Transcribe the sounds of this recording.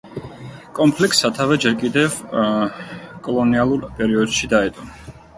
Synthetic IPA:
kʼɔmpʰlik̚ʼt̪sat̪ʰavɛd͡ʒɛɾkʼid̪ɛv | kʼɔlˠɔnialˠuɾpʼɛɾiɔd̪ʃid̪aɛt̪ʼɔn

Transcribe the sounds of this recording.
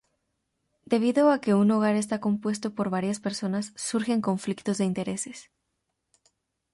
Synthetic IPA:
d̪e̞β̞iðo̞ake̞unoɣaɾe̞s̬t̪ako̞mpwe̞st̪o̞po̞ɾβaɾjaspe̞ɾso̞nasːuɾxe̞ŋko̞ɱflikt̪o̞zðeint̪e̞ɾe̞se̞̥s

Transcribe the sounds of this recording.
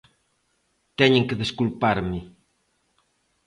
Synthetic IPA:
t̪ɛɲẽŋkeðeskulpaɾmɪ

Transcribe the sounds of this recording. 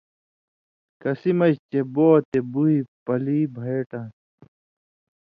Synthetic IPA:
kɐsimɐɕt͡ɕeboːt̪ebuɦipɐliːbʱeːʈã

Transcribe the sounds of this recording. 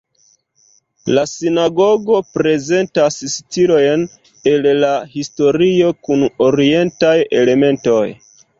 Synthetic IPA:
lasinaɡo̞ɡo̞pɾe̞ze̞ntasstilo̞jn | e̞llahisto̞ɾio̞kuno̞ɾie̞ntaje̞le̞me̞nto̞j

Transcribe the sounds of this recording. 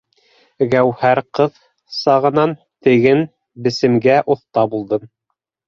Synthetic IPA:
ɡæwhæɾqɤð | sɑʁɤ̆nɑn | t̪ɘ̆ɡɘn | bɘ̆sɘ̆mɡæʔŏθt̪ɑbulˠd̪ɤm

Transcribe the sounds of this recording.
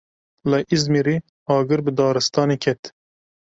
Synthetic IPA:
lɐʔizmiɾi | ɑːɡɨɾbɨd̪ɑːɾɨst̪ɑːnikʰɛt̪

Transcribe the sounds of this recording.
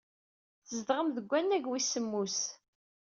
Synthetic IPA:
θəzd̪ʁəmðəɡʷːænːæɡwisːəmːus

